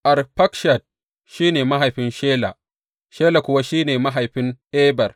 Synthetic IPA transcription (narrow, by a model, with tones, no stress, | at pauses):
ʔa˨rɸɐ˦kʃa˨d̚ | ʃiː˦neː˨ma˦ɦa˨jɸɪ˦nʃeː˦la˨ | ʃeː˦la˨kʷʊ˦wa˦ʃiː˦neː˨ma˦ɦa˨jɸɪ˦ŋʔeː˦bɐ˨r